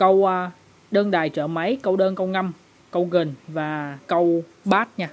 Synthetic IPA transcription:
kə˧w | ɗəː˧nɗaː˨˩jt͡ɕəː˧˩mə˨˦jkə˧wɗəː˧nkə˧wna˧m | kə˧wɣɨ˨˩ŋvaː˨˩kə˧w | ɓaː˦˥t̚ɲaː˧

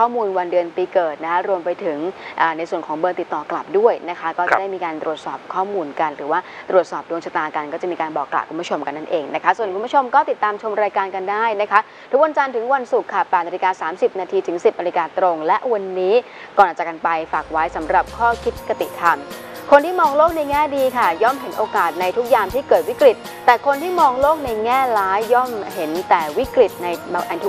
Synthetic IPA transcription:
ɔː˥˩muː˧nwa˧ndɯ˧ənpiː˧kɤː˨˩t̪̚na˦˥kʰa˦˥ɾu˧əmpa˧jt̪ʰɯ˩˦ŋʔaː˨˩na˧jsu˨˩ənkʰɔː˩˦ŋbɤː˧nt̪i˨˩t̪ːɔː˨˩kla˨˩p̚du˥˩əjna˦˥kʰa˦˥kɔː˥˩t͡ɕa˨˩da˥˩miː˧kaː˧nt̪ɾu˨˩ət̪̚sɔː˨˩p̚kʰɔː˥˩muː˧nka˧nɾɯː˩˦waː˥˩t̪ɾu˨˩ət̪̚sɔː˨˩p̚du˧ŋt͡ɕʰa˧t̪aː˧ka˧nkɔː˥˩t͡ɕa˨˩miː˧kaː˧nbɔː˨˩kːla̰˨˩p̚ku˧mbu˦˥˩t͡ɕʰo˧mka˧nːa˥˩nʔeː˧ŋna˦˥kʰa˦˥su˨˩ənku˧bt͡ɕʰo˧mkɔː˥˩t̪i˨˩t̪ːaː˧mt͡ɕʰo˧mɾaː˧jkaː˧nka˧ndaː˥˩jna˦˥kʰa˦˥ʔ | t̪ʰu˦˥k̚wa˧nt͡ɕa˧nt̪ʰɯ˩˦ŋwa˧nsu˨˩kʰːa˥˩pɛː˨˩t̪naː˧li˧kaː˧saː˩˦msi˨˩p̚naː˧t̪ʰiː˧t̪ʰɯ˩˦ŋsi˨˩p̚naː˧li˧kaː˧t̪ɾo˧ŋlɛ˦˥ʔwa˧nːiː˦˥ | kɔː˨˩naː˨˩t͡ɕa˨˩ka˧npa˧jfaː˨˩k̚wa˦˥jsa˩˦mɾa˨˩p̚kʰɔː˥˩kʰi˦˥t̪̚ka˧t̪ḭ˨˩t̪ʰa˧m | kʰo˧nt̪ʰiː˥˩mɔː˧ŋloː˥˩k̚na˧jŋɛː˥˩diː˧kʰa˥˩jɔ˥˩mɦe˩˦nʔoː˧kaː˨˩t̪̚na˧jt̪ʰu˦˥k̚jaː˧mt̪ʰiː˥˩kɤː˨˩t̪̚wi˦˥kɾi˨˩t̪̚ːɛː˨˩kʰo˧nt̪ʰiː˥˩mɔː˧ŋloː˥˩k̚na˧jŋɛː˥˩laː˦˥jːɔ˥˩mɦe˩˦nt̪ɛː˨˩wi˦˥kɾi˨˩t̪̚na˧jʔa˧t̪ʰu˦˥

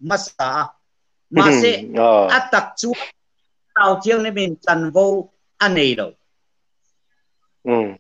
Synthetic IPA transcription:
ma˦saː˨˦ | ma˨se˦ʔa˦t̪a˨˩k̚t͡su˦ə˦ | taː˧wt̪ʰi˦ə˦wne˦˥mi˨nt͡sa˧nvo˦w | ʔa˦ne˨jlo̰˨˩w

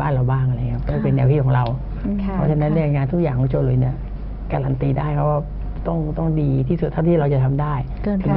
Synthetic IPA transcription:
aː˥˩nɾa˨˧˩wbaː˥˩ŋʔa˧ɾa˧jkʰa˦˥p̚kɔː˥˩pe˧nːɛ˧wt̪iː˦˥˩kʰːɔ˨˦˥ɾa˧wʰ | pʰɔ˦˥t͡ɕʰa˧na˦˥nːi˥˩ɐŋaː˧nt̪ʰu˦˥k̚jaː˨˩ŋʰkɔː˨˦ŋt͡ɕʰoː˧lu˨˩˦ni˦˥˩ɐ | kaː˧ɾa˧nt̪iː˧daː˥˩jkʰa˦˥wkaː˥˩ | t̪ɔ˥˩ŋt̪ɔ˥˩ŋdiː˧t̪ʰiː˥˩u˨˩t̪ʰːa˥˩wt̪ʰiː˥˩ɾa˧wt͡ɕa˨˩t̪ʰa˧mdaː˥˩j̪ʰɯ˨˩˦

